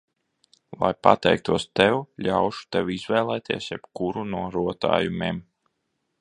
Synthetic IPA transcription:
lˠa̰jpa̰t̪ɛjk̚t̪uɔst̪ɛwlʲawʃu̥t̪ɛwizvɛːlˠɛːt̪ʰiɛsjɛb̥kuɾunuɔɾuɔt̪a̰ːjumʲḛːm

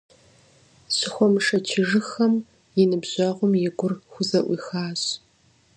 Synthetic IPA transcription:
ɕɪxʷɔmʂɐt͡ʃʰɪʐɨxɐm | jɪnɨbʑɐʁʷʊmjɪɡʷʊrxʷʊzɐʔʷiːxaːɕ

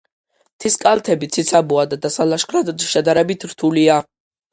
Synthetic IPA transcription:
t̪ʰiskʼalˠt̪ʰɛbit̪sʰit̪sʰabuad̪ad̪asalaʃχɾad̪ɔd̪ʃɛd̪aɾɛbit̪ʰɾt̪ʰulia

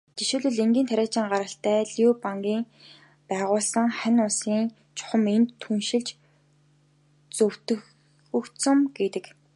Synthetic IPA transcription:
t̪iʃuːɮɵ̆ɮeŋɡʲiːnt̪ʰæɾʲæːt͡ɕiːŋɢaɾə̆ɬt̪æːɮjupaŋɡʲiːŋ | pæːʁʊːɮsə̆ŋχænʲʊsiːŋ | t͡ɕʰʊ̥χə̆ment̪ʰːunʃɪ̆ɮt͡ɕ | t͡sɵw̥t̪ɵ̆x | ɵkt̪sɵ̆mɡ̥et̪ɘ̆k

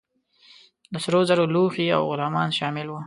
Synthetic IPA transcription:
ləsɾozaɾoluxia̰wɣʊlɑmɑnʃɑmɪlwu

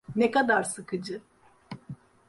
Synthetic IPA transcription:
nɛkad̪aɾsɯkʰɯd͡ʒɯ

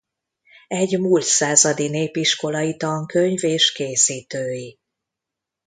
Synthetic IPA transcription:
ɛɟmult̪saːzɒd̪ineːpiʃko̞lɒjit̪ɒŋkø̞ɲveːʃkeːsiːt̪øːji

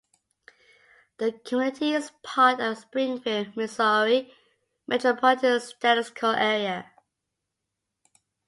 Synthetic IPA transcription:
ðəkʰəmɪntʰiɪz̥pʰɑˑtəvspɹɪ̃ŋfɪmɪsɔɹi | mʔɛtɹəpʰɔlɪtɪəstæɾɪskʰəlʔɛɹiə

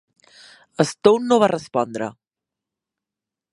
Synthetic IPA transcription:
əst̪ownːoβarəspɔnd̪ɾə̰

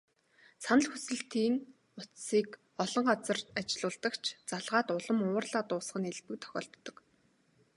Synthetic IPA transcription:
sanə̆ɮxusɘ̆ɬt̪ʰiːn | ʊt̪siːk | ɔɮɞ̆ɴɢat͡sə̆rat͡ɕɪ̆ɮʊːɮt̪ə̆kt͡ɕʰt͡saɮʁaːt̪ʊɮə̆mʊːrɮaːt̪ʊːsɢə̆neɮp̪ɘ̆k̚t̪ʰœ̥xʲɔ̰ːɬt̪ːɞ̆k

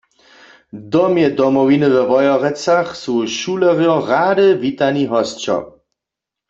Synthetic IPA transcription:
d̪ɔmjɛd̪ɔmɔwinɨʋɛʋɔjɔʁɛt͡saχsuʃulɛʁjɔɣaːdɨvit̪aniɦɔst͡ʃɔ̰

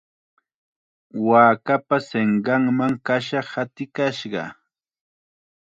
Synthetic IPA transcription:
waːkapaseɴɢɑŋmaŋkaʃɑhat̪ɪkaʃɢɑ̰

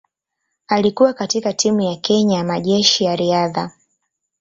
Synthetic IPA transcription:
alikuwakatikatʰimujakɛɲajamaʄɛʃijaɾiaða

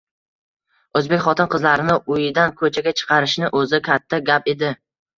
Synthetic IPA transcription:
ɵzbe̞kʲχɒt̪ʰɪnqɨzlaɾɪnɪʔʊjɪd̪ankʰɵt͡ʃʰaɡʲat͡ʃʰɨ̥qʰɑɾɪʃnɪʔɵzɪkʲʰat̪ʰːaɡʲape̞d̪ɪ

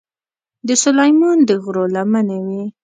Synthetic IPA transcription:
d̪əsʊlajmɑnd̪əɣɾolamanawi

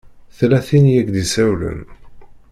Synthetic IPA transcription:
θlæθinjæɡd̪isæwlə̰n

